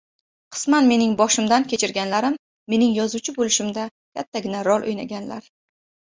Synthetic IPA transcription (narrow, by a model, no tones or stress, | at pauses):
qʰɨ̥smanme̞nɪŋbɒʃɪmd̪ankʲʰe̞t͡ʃʰɪɾɡʲanlaɾɪmː | e̞nɪŋjɒzut͡ʃʰɪbolɪʃɪmd̪a | kʲʰat̪ʰːaɡʲɪnaɾɒlˠʔo̰jna̰ɡʲanla̰ɾ